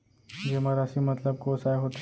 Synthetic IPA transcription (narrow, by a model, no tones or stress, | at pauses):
d͡ʑeməɾəsiːmət̪ləb̚kosajɦoʈ